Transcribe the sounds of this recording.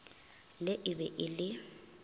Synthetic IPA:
lɪʔɪbɛʔɪlɪ

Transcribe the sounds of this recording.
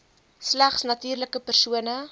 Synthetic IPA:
slæχsnɐtiːrləkəpərsuənə

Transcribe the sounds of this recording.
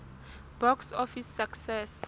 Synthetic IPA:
b̥ɔksɔfisːaksɛs

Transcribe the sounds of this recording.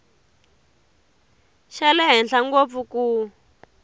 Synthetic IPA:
ʃɛlɛɦɛnɬaŋɡop̪fukuː

